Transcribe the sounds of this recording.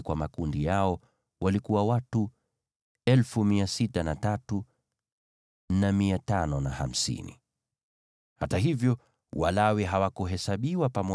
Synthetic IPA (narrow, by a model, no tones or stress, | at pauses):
kwamakundijaɔ | wʔalikuwawatu | ɛlfumiasitanatatu | namiatanɔnaha̰m̩sḭnḭ | hataɦivjɔ | wʔalawɛɦawakuɦɛsaɓiwapamɔ